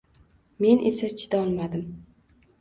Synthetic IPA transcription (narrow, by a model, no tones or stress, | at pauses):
me̞nʔesat͡ʃʰɪd̪aɒlˠmad̪ɪm